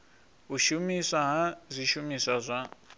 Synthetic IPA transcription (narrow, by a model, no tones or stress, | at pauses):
ɦuʃumisaɦazʷiʃumisazʷa